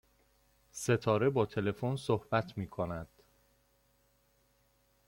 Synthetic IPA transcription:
se̞t̪ʰɒːɾe̞bɒːt̪ʰe̞le̞fonsohbæt̪ʰmiːkʰonæd̪̥

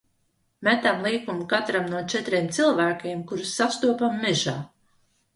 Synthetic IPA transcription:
mæt̪amlˠiːkumkat̪ɾamnuɔt͡ʃɛt̪ɾiːmt̪silˠvæːkʲeːmkuɾusːast̪uɔpamːɛʒaː

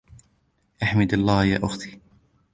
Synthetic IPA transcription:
ʔaħmɪd̪ɑlˤːɑːja̰ːʔʊxt̪iː

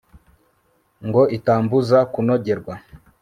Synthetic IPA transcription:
ŋɡoʔitaːmbuzakunoɟeɾɡwa

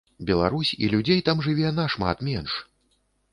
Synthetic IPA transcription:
bʲɛlˠaɾusʲḭlʲud͡zʲejt̪amʐɨvʲɛnaʂma̰t̪mʲɛnʂ

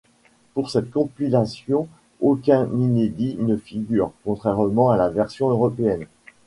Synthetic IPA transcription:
puʁsɛt̪̚kɔ̃pilasjɔ̃ | okʲɛ̃nined̪inəfiɡʲyːʁkɔ̃t̪χɛʁmɑ̃alavɛʁsjɔ̃øʁɔpeɛn

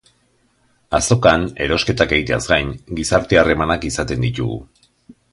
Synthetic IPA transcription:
aso̞kane̞ɾo̞ske̞t̪ake̞ɣit̪e̞azɡajnɡisaɾt̪eare̞manakisat̪e̞nd̪it̪ṵɣṵ

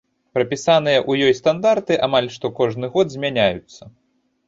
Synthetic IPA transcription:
pɾɐpʲisan̪ɨjɐʔujɔjst̪and̪art̪ɨʔamalʲʂt̪ɔkɔʐnɨɣɔd̪zʲmʲanʲajut̪sːɐ

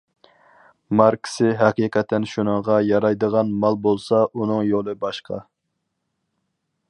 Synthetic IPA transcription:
mɑɾkʲʰɪ̥sɪɦɛqiqɛt̪ʰːɛnʃunəŋʁɑjɑɾɑjd̪əʁɑnmɑlˠbolˠsɑʔunɨŋjolˠɨbɑʃqʰɑ̰

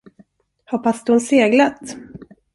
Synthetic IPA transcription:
hɔpːasd̪ɵhʊnseːɡlat̪

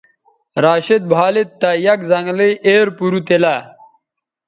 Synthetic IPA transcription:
ɾaːɕid̪̚bʱaːlit̪ːɐjɐkzɐŋɡliʔeːɾpuɾut̪ela

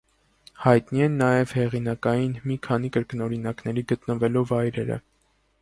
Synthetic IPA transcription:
hɑjt̪niɛnːɑjɛvhɛʁinɑkɑjinmikʰɑn̪ikəɾkənɔɾinɑknɛɾiɡət̪nəvɛlɔvɑjɾɛɾə̰

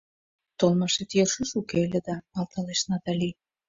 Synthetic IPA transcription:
t̪olmɑʃet̪jerʃəʃukelʲed̪ɑɑlt̪ɑleʃnɑt̪ɑlʲi

